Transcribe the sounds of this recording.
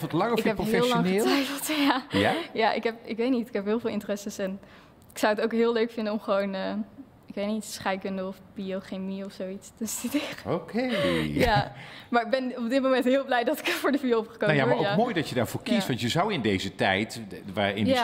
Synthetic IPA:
ɔtlɑŋɪfɛpɦɪɛlllɑŋnχətɛjfəlˠtjajajaʔɪ̰kɦɛp̚ɪkʋejtnitɪkɦɛpɦɪːlˠvɪːlˠɪntərɛsəsɛn | ɪksawətowkɦɪːlˠøɥkfɪndənɔmχəʋonəː | ɪkʋejtnitsχɛjkəndəɔfbioχemiɔfsowitstəstydeːrəokʰejamaːɹɪɡ̚bɛnɔpb̚dɪt̚mowmɛntɦɪːlˠblɛjdɔtɪ̥kːvʊːɹdəfyəɔpχə̥konajaaoamojdɔtjədaːɹvʊːɹkistʋɑntjəzʌwɪndejzətɛjtʋaɪ̰nja

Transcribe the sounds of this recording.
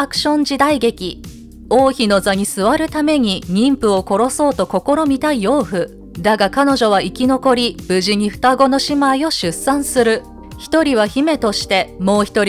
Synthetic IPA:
akɯ̟̥ɕõ̞ɲ̟d͡ʑid̪aiɡe̞kʲi | o̞ːçino̞zaɲ̟isɨβaɾɯ̟t̪ame̞ɲ̟iɲĩmpɯ̟o̞ko̞ɾo̞so̞ːt̪o̞ko̞ko̞ɾo̞mʲit̪aio̞ːɸɯ̟ | d̪aɡakano̞ʑo̞βaikʲino̞ko̞ɾʲib̥ɯ̟ʑiɲ̟iɸɯ̟̥t̪aɡo̞no̞ɕimaio̞ɕɨsãɰ̃sɨɾɯ̟ | çi̥t̪o̞ɾʲiβ̞açime̞t̪o̞ɕi̥t̪e̞mo̞ːçi̥t̪o̞ɾʲ

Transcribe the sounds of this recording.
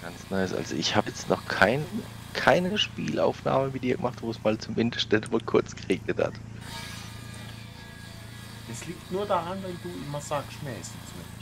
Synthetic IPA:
ɡ̥ant͡snɔʏsʔa̰lzo̰ʔɪçhaːbəjɛt͡stnʔɔχkʰaɪnə | kʰaɪnəʃpiːlʔa̰ʊfna̰ːməmɪt̚d̥iːɐɡəmaχtvoːsmaːlt͡sumɪndəstd̥ɛndmaːlkʰʊɐt͡sɡ̥əʁeːɡnətha̰t | ɛsliːk̚tnuːɐdaʁanvɛnduːʔɪmɐzaːksmɐɛɛsɛsmɛ

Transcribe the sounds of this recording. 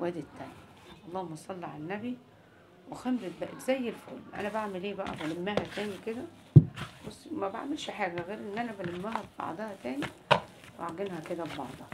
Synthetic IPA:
wæːd̪et̪ːæːn | ʔɑlˤːɑːhomːɑsˤɑlːiʕa̰lænːæbi | wexemɾet̪̚bæʔt̪zæjːelfo̰ːlmʔæ̰næbaʕmeleːbæʔæ̰bælemːæɦæt̪æːniked̪æ | bosːmæba̰ʕmelʃħaːɡæɣeːɾʔenːʔænæbælemːæɦæbbɑ̰ʕd̪ˤɑhæt̪æːniʔa̰ʕɡenhæked̪æbbɑ̰ʕd̪ˤɑh

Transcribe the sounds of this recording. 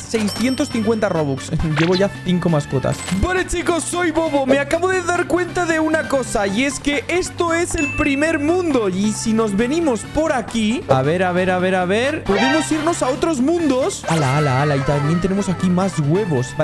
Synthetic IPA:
se̞jsθje̞nt̪o̞sθiŋkwe̞nt̪aro̞βuksɟ͡ʝe̞βo̞ʝaθiŋko̞masko̞t̪a̰sbweɾet͡ʃiko̞ssːo̞jβo̞βo̞meakaβo̞ðe̞ðaɾkwe̞nt̪aðe̞unako̞saje̞ske̞ʔe̞st̪o̞e̞se̞lpɾime̞ɾmũnd̪o̞isino̞zβe̞nimo̞spo̞ɾakiaβe̞ɾaβe̞ɾaβ̞e̞ɾaβe̞ɾpoðemo̞siɾno̞sao̞t̪ɾo̞zmũnd̪o̞salaalaalait̪amje̞nt̪e̞ne̞mo̞sakimazɣwe̞βo̞s

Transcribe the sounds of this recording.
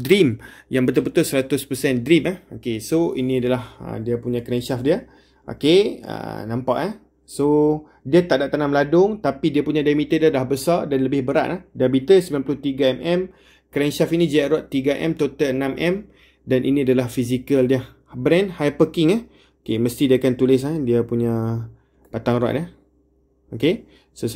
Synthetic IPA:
dɾimjaŋbət̪əbət̪ʊsəɾat̪ʊspəsɛndɾimahokesoinĩadalahə̰diapuɲãkɾɛnʃafdia | ʔo̰keə̰nãmpaʔah | so | diat̪aʔdaʔt̪anamladʊŋt̪apidiapuɲãdajmit̪ədialahbəsardanləbɪhbəɾa̰ʔ̪lahdiabit̪əsəmbilanpəlʊht̪iɡaɛmʔɛm | kɾɛnʃafinĩd͡ʒajaʔɾwat̪ːiɡaʔɛ̰mt̪ot̪əənãmʔɛm | danʔḭnĩadalahfis̬ikəldia | bɾɛnhajpəkɪŋah | okeməst̪idiakant̪ulɪs̬adiapuɲã | pat̪aŋɾwa̰ʔ̪̚a | oke | sos

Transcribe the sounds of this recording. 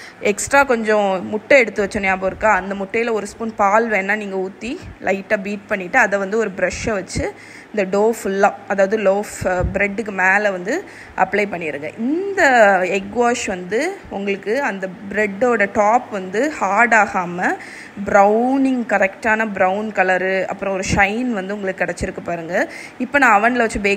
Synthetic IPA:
ɛksʈɾaːkɔɲd͡ʒɔ̃mʊʈːɐɛɽɯt̪ːɯʋɐt͡ʃːɔnjaːboːɾɯkːaːɐnd̪ɐmʊʈːɐjɪlɐɔɾɯspuːnpaːlʋẽːnːaːniːŋɡɐuːt̪ːilʔɐɪʈːaːbiːʈ̚pɐɳːɪʈːɯɐðɛʋɐnd̪ɯɔɾɯbɪɾɐʂɐʋɐt͡ʃːɯ | ɪnd̪ɐɖoːflãɐðaːʋɐðɯloːfbɾɛɖːɯkːɯmeːlɛʋɐnd̪ɯ | ʔɐplɐɪpɐɳːɪɾɯŋɡɐ̰ʔɪnd̪ɐɛɡʋaːʂʋɐnd̪ɯʊŋɡɐɭɯkːɯɐnd̪ɐbɾɛɖːoːɽɐʈaːpʋɐnd̪ɯhaːɽaːɣaːmɐ | bɾɐʊnɪŋɡkɐɾɛkʈaːnɐbɾɐʊnkɐlɐɾɯɐ̰pːɯɾɔ̃ɔɾɯʂɐɪnʋɐnd̪ɯʊŋɡɐɭɯkːɯːkːɪɽɛt͡ʃːɪɾɯkːɐpːaːɾɯŋɡɐɪpːoːnãːɐʋɐnlɐʋɐt͡ʃːɯbeː

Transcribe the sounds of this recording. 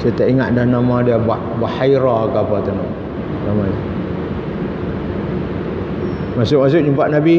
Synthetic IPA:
saat̪aʔiŋat̪̚dannamãdiaba | bahajɾaakapat̪anaʔ | namaɲa | masʊk̚mas̬ʊk̚d͡ʒumpaʔ̪̚nabi

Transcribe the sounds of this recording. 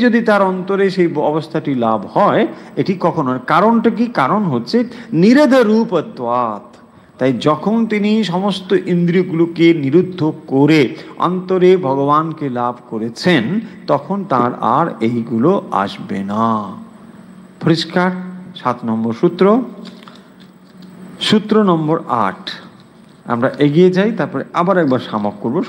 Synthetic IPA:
d͡ʑod̪it̪aɾɔnt̪oɾeʃejɔ̰bost̪ʰaʈilabhɔeeʈikɔkʰonaɾkaɾonʈak̬ikaɾonɦotːɕʰeniɾed̪ʱaɾupəd̪ːoat̪ | t̪ːajd͡ʑɔkʰont̪iniʃɔmost̪oʔind̪ɾiɡulokeniɾud̪ʱːokoɾeɔ̰nt̪oɾebʱɔɡobankelabʱkoɾet͡ɕʰent̪ɔkʰont̪aɾa̰ɾejɡuloa̰ʃbena | poɾiʃkaɾʃat̪nɔmboɾʃut̪ːɾo | ʃut̪ːɾonɔmboɾa̰ʈʰ | a̰mɾaʔeɡijet͡ɕajt̪aɾpɔɾeʔabaɾoɛk̚baɾʃamok̚koɾbo

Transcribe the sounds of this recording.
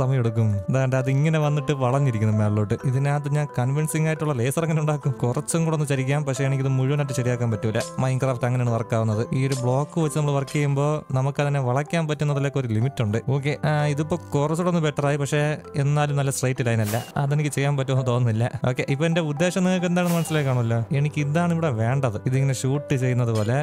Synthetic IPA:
sɐmɐjeɽuk̬ːumðaːɣɐɳɖɨɐðɨiŋːɐne̞ʋɐnːiʈːɨʋɐɭɐnːiɾik̬ʲːunːɐmeːɽɐɭoːʈːɨʔiðinaːt̪̬ːɨɲaːnkɐnʋinsiŋːaːjiʈːuɭːɐleːsɐrɐŋːɐnuɳɖaːkːumkurɐt͡ɕːuŋkuɽo̞nːɨɕɐɾik̬ʲːaːmpɐkʂeenik̬ʲːiɐðɨmuɻuʋɐnaːʈ̬ːɨɕɐɾijaːk̬ːaːmpɐtːumilːɐmɐjnkraːfʈɐŋːɐneːɳɨʋɐrɐkːaːʋunːɐðɨiːo̞ɾubɭo̞ːkːɨʋɐt͡ɕːɨnɐmːɐɭʋɐrkːiɐjumbo̞ːnɐmukːɐðineʋɐɭɐkʲːaːnpɐtːunːɐðɐlːoːkːɐo̞ɾulimitːuɳɖɨo̞ːk̬ːe̞iðipːoːkurɐsuɽonːɨbeʈːɐraːjipɐkʂe̞enːaːlumnɐlːɐsrɐjtːilaːjinɐlːɐ̰ɐðenikʲːɨt͡ɕe̞jːaːmpɐtːumɐnːɨt̪o̞ːnːilːɐ̰o̞ːkːe̞ʔipːoende̞ud̪ːe̞ːɕɐmneɭk̬ːe̞nd̪aːnenːɐmɐnɐsːilekːaːɳɐmɐlːo̞ːe̞ɳikʲːind̪aːɳiʋiɽe̞ʋe̞ːɳɖɐðɨiðiŋːɐne̞ɕuːʈːɨt͡ɕe̞jːunːɐðupo̞ːle̞

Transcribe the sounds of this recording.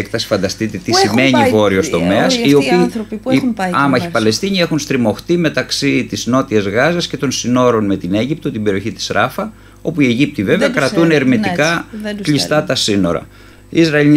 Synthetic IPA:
ekt̪ɐsi̥fɐnd̪ɐst̪it̪et̪isime̞ɲivo̞ɾiost̪o̞me̞ɐsiopiː | ɐmɐçipɐle̞st̪iɲie̞xunst̪ɾimo̞xt̪ime̞t̪ɐksit̪izno̞t̪iezɣɐzesce̞t̪o̞nsino̞ɾo̞nme̞t̪ine̞ʝip̚t̪o̞t̪ibe̞ɾio̞çit̪i̥sɾɐfɐ | o̞puie̞ʝip̚t̪ive̞veɐkɾɐt̪uneɾmit̪ikɐkʎist̪ɐt̪ɐsino̞̰ɾɐ̰ | izɾɐe

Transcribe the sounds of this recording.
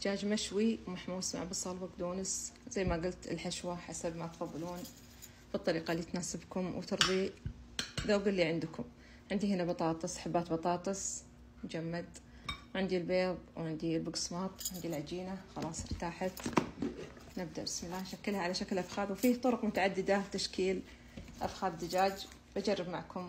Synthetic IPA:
d͡ʒaːd͡ʒmaʃwiwmaħmuːsma̰ʕbɨsˤːɑlbaɡd̪uːnɪszajːmaɡʊlt̪ɪ̰lħaʃwaħasabmat̪fɑðˤːɑluːn | b̥ɨt̪ˤːɑɾiːqɑlːit̪naːsɪbkʊmwt̪ɨɾðˤi | ðawɡʊlːiʕɪnd̪kʊm | ʕɪnd̪ihɪnabɑt̪ˤɑːt̪ˤɨsˤħabːaːt̪bɑt̪ˤɑːt̪ˤɨs | md͡ʒamːad̪ | wʕɪnd̪ilbeːðˤwʕɪnd̪ilbʊɡsmɑːt̪ˤwʕɪnd̪ilʕad͡ʒiːnaxɑlɑːsˤɪɾt̪aːħat̪ | nɪb̚d̪aʔbɪsmɪlːaːhnʃakːɪlhaʕalaʃaklʔafxaːdwfiːt̪ˤʊɾʊqmʊt̪aʕad̪ːɪd̪at̪aʃkiːl | ʔa̰fxaːbd̪ad͡ʒaːd͡ʒ | bad͡ʒɑrˤːɑbmaʕkʊm

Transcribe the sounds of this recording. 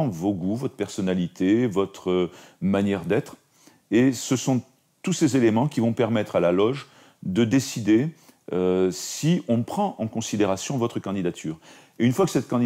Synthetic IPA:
voɡuvɔt̪χəpɛʁsɔnalit̪ʰevɔt̪χəmanjɛʁd̪ɛt̪χ | esəsɔ̃ | t̪usezelemɑ̃kʲivɔ̃pɛʁmɛt̪χalalɔʒ | d̪əd̪esid̪e | øsiʔɔ̃pχɑ̃ʔɑ̃kɔ̃sid̪eʁasjɔ̃vɔt̪χəkɑ̃d̪id̪at̪ʰyːʁ | eynfwakə̥sɛt̪̚kɑ̃d̪

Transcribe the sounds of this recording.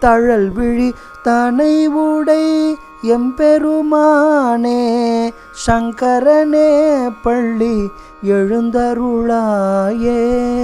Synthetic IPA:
t̪ɐɻɐlʋɪɻi | t̪ɐnɐɪʋuɽɐɪ | ɛmpɛɾɯmaːne | ʂɐŋkɐɾɐneːpɐɭːi | ɛɻɯnd̪ɐɾɯɭaːje

